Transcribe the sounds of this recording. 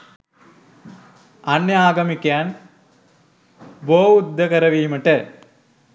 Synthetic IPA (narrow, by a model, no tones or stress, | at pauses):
ɐnːjɐaːɡɐmikʲːaːn | boːud̪ːɐkɐɾɐʋiːmɐʈːɐ